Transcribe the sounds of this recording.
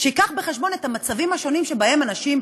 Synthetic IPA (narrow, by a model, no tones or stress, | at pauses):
ʃeikaχbeχe̞ʃbo̞ne̞thamat͡savimhaʃo̞nimʃe̞bae̞manaʃim